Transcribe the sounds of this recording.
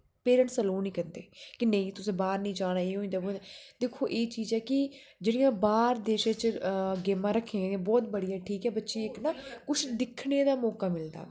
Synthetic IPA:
peːɾəɳʈsəloːnĩːkənd̪eːkɪnəĩːt̪ʊsẽːbaːɾnĩːd͡ʒaːnaːeːɦoːĩnd̪aːboad̪eːkʰːoːʔeːt͡ʃiːzɛːkɪd͡ʒeːɽijãːbaːɾd̪eːʃẽt͡ʃɡeːmãːɾəkʰːẽbɔːt̪bəɽijãːʈʰiːkɦɛːbətːʃeːɪknaːkʊt͡ʃd̪ɪkʰɽeːd̪aːmɔːkaːmɪld̪a̰ː

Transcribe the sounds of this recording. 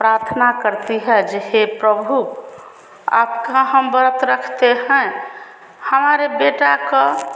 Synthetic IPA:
pɾaɾt̪ʰnakəɾt̪iɦɛd͡ʒeɦepɾəbʱu | a̰bkaɦəmbəɾət̪ɾəkʰt̪eɦɛ̃ | həmaɾebeʈakə

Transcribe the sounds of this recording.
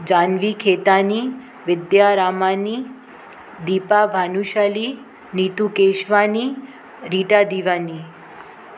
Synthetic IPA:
d͡ʒanʋikʰet̪ani | ʋɪd̪jaɾamani | d̪iːpabʱanuʃali | nit̪ukeʃʋani | ɾiʈad̪iʋani

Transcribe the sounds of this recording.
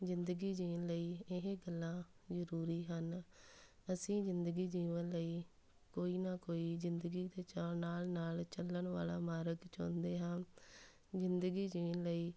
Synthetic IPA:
zɪnd̪əɡiːd͡ʒiːnləiːɪɦeːɡəlːãː | zəɾuːɾiːɦən | əsĩːzɪnd̪əɡiːd͡ʒiːʋənləiː | koːiːnaːkoːiːzɪnd̪əɡiːd̪eːt͡ʃanaːlnaːlt͡ʃəlːənʋa̰ːla̰ːmaːɾəɡt͡ʃõ̰ːnd̪eːɦãː | zɪnd̪əɡiːd͡ʒiːʋənləiː

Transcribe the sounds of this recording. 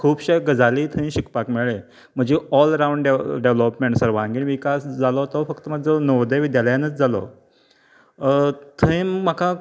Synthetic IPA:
kʰuːbɕeɡəd͡zaliːt̪ʰəĩɕikpakmeɭe | m̤əd͡ʑeɔləɾãwɳɖɖeɖeʋlɔpmeɳʈsəɾʋãŋɡiːnʋikasd͡zalɔt̪ɔfəkt̪əm̤əd̪d͡zanəʋd̪əʋid̪jaləjanət͡sd͡zalɔ̰ | t̪ʰəĩːəka

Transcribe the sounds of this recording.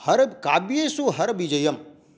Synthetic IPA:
hɐɾkaːbjesuɦɐɾbid͡ʒɐjɐm

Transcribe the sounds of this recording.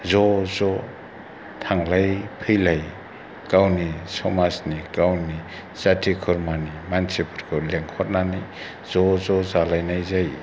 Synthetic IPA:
zɔzɔ | tʰaŋlajpʰɯjlaj | kawnisɔmasnikawni | z̥atʰikʰɯɾmanimansepʰɔɾkʰɯleŋhʰɔt̚nanij | z̥ɔzɔzalajnajzaj

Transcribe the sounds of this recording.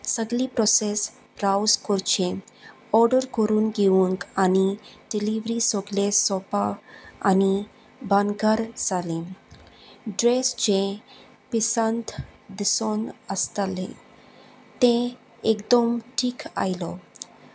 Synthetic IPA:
səɡlipɾɔses | pɾawzkɔɾt͡ɕẽ | ɔɾɖəɾkɔɾuːnɡeũŋkaniɖiliʋɾisɔɡlesɔpaa̰ni | banɡaɾd͡zalẽ | ɖɾesd͡ʑẽ | pisant̪d̪isɔnəst̪alḛ̃ | t̪ẽ | ekd̪əmʈʰiːka̰jlɔ

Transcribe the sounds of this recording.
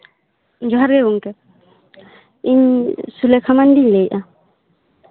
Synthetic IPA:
d͡ʒɔɦaɾɡeuŋkɛ | iɲsulɛkʰamandiɲlejʔa

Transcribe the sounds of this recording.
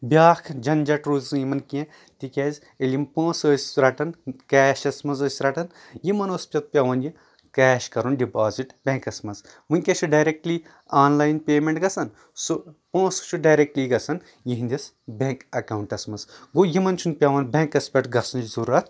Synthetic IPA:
bʲjaːkʰd͡ʒɐnd͡ʒɐʈɾuːzɨjimɐnkiẽ | t̪ikʲaːz | elʲimpõːsəːsʲɾɐʈɐnkɛːʃɐsmɐnzoːsʲɾɐʈɐn | jimɐnoːspʲɐt̪̚pʲɐʋɐnji | kɛːʃkɐɾunɖipaːziʈbʲẽːŋkɐsmɐnz | ʋunʲkʲeʃʰuɖaːjɾek̚ʈli | aːnlaːjinpʲeːmeɳʈɡɐsɐn | supõːst͡ʃʰuɖaːjɾek̚ʈliːɡɐsɐn | jiɦind̪ʲis | bʲeŋkɐkawɳʈɐsmɐnzɡojimɐnt͡ʃʰunpʲɐʋɐnbʲẽːŋkɐspʲɐʈɡɐsɐnd͡ʒizuɾɐt̪ʰ

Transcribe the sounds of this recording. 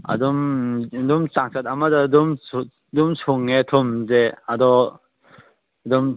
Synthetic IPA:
a̰dɔmdumsaŋsʰat̪̚amadadum | dumsʰuŋet̪ʰɔmzeadɔ | dɔm

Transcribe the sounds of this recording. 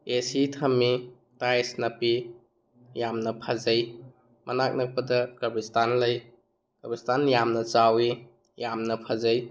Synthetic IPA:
esitʰɐmi | tajsnɐpi | jamnɐpʰazɐj | mɐnak̚nɐk̚pɐdɐkɐɾbistanlɐj | ɡ̥ɐbistanjamnɐt͡ʃawi | jamnɐpʰazɐj

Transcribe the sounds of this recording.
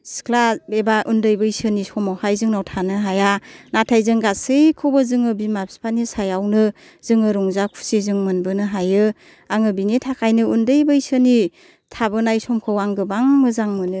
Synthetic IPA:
skʰlabebaʔundɯjbɯjsɯnisɔmawhajzɯŋnawtʰanɯɦajanatʰajzɯŋɡasɯjkʰɯwbɯzɯŋɯbimapspʰanisajawnɯ | z̥ɯŋɯɾɔŋzakʰu̥sizɯŋmɯnbɯnɯɦajɯ | aŋɯbinitʰakʰajnɯundɯjbɯjsɯni | tʰabɯnajsɔmkʰɯwaŋɡɯbaŋmɯzaŋmɯnɯ

